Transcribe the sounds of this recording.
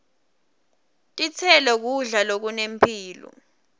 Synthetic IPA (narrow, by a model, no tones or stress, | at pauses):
tʼit͡sʰɛlɛk̬uɮalok̬unempʰiːlɔ̰